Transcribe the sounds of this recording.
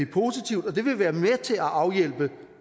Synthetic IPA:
epʰo̝ːsit͡sʰiʊ̰d̥ɒ̽d̥e̝ʋe̝ʋæːɐmet͡sʰe̝læʔɑ̈ʊjel̰b̥ə

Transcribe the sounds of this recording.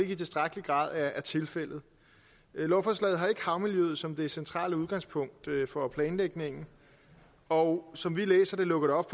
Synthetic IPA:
e̝ɡ̥it͡sʰe̝sd̥ʁaɡ̥əliɡ̥ʁɑ̰̈ːð̞ˠæɐæɐt͡sʰe̝lfel̰ð̩ˠ | lɒʊfɒslɛ̰ːð̩ˠɦɑ̈e̝ɡ̥əhɑ̈ʊmiljøːð̩ˠsɒ̽md̥e̝æsent͡sʰʁɑ̰̈ːləuð̞ˠɡ̥ɑ̈ŋspʰɔ̽ŋ̰d̥fɒ̽pʰlɛːnleɡ̥ne̝ŋ̰n̩ | ɒʊsɒ̽mʋilḛːsɐd̥e̝lɔ̽ɡ̥ð̩ˠɒ̽b̥f

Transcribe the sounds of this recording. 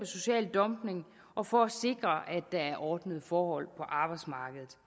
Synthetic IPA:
əso̝ɕɛ̰ːld̥ɒ̽mb̥ne̝ŋ | ʔɒ̽fɒ̽æse̝ɡ̥ʁɐʔæd̥ɑ̈æɐʔɒːd̥nəð̩ˠfɒːhɒ̽l̰pʰɒ̽ʔɑ̈ːb̥ɑ̈ɪdsmɑ̈ːɡ̥əð̞ˠð̩ˠ

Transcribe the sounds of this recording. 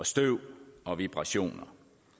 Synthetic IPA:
ɒsd̥øʊ̰ɒ̽ʋib̥ʁɑ̈ɕo̝̰ːnɐ

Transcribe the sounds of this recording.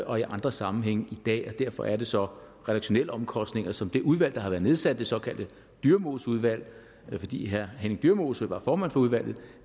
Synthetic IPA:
ʔɒ̽iʔɑ̈nd̥ʁɐsɑ̈mm̩ɦeŋ̰id̥ɛ̰ːɒ̽d̥æɐ̰fɒ̽ʔæɐɾ̥e̝sɒ̽ | ʁɛɾ̥ɑ̈ɡ̥ɕo̝nel̰əɒ̽mkʰɒ̽sd̥ne̝ŋɐsɒ̽md̥e̝ʔuð̞ˠʋæl̰d̥ɑ̈hɑ̈ʋæɐðˠne̝ð̞ˠsæd̥əd̥e̝sɒ̽kʰæl̰d̥ə | d̥yɐmo̝ːsuð̞ˠʋæl̰ | fɒ̽d̥ḭːɦæɐɦeneŋd̥yɐmo̝sɑʋɑ̈fɒːmæn̰fɒ̽uðˠʋæl̰ð̩ˠ

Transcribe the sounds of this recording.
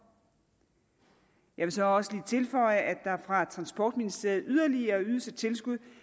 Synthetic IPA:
jɑ̈ɪʋe̝lsɒ̽ɒ̽səliːt͡sʰe̝lfɒ̽ɪəʔæd̥ɑ̈æɐfʁɑ̈t͡sʰʁɑ̈nsb̥ɒ̰ːd̥minisd̥e̝ɐð̩ˠyð̞ˠɐliɐyðˠsət͡sʰe̝lsɡ̥uð̰ˠ

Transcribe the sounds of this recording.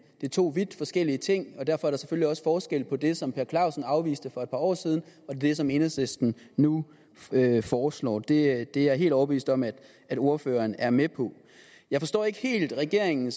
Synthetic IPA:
d̥et͡sʰo̝̰ːʋid̥fɒ̽sɡ̥el̰iət͡sʰe̝ŋ̰ɒ̽d̥æɐfɒ̽æɐɾ̥ɑse̥føliɒ̽sə̥fɒːsɡ̥el̰pʰɒ̽d̥e̝sɒ̽mpʰe̝ɐkʰlɑ̈ʊsn̩ɑ̈ʊʋḭːsd̥əfɒ̽ed̥̚pʰɑ̈ːɒ̰ːsiːð̞ˠn̩ɒ̽d̥e̝sɒ̽me̝nəsesd̥n̩ | nu | øfɒːslɒ̰ːd̥e̝d̥e̝jɑɐe̝̰ːldɒʊɐb̥eʋḭːsd̥ɒ̽mæd̥ | æd̥o̝ɐføːɐnæɐmepʰɒ̽ | jɑ̈ɪfɒ̽sd̥ɒ̰ːe̝ɡ̥əhe̝̰ːld̥ʁaɡ̥e̝ɐ̰eŋn̩s

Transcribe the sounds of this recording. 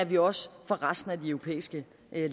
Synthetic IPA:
æɐʋiɒ̽sfɒ̽ʁɑsd̥n̩æd̥iœʊʁo̝pʰḛːisɡ̥ə | ʔl

